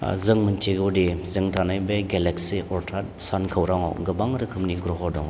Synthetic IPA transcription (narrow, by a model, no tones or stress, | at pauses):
zɯŋmɯntʰiɡɯwdizɯŋtʰanajbeɡeleksiʔɔɾtʰat̚sankʰɯwɾaŋɔ̰ɡɯbaŋɾɯkʰɯmniɡɾɔɦɔdɔŋɔ